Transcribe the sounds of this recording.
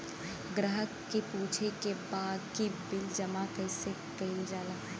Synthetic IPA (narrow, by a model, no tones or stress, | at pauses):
ɡɾəɦəkːipuːt͡ʃʰekebaːd̪kibɪld͡ʒəmakəɪse | kɐɪld͡ʒaːlaː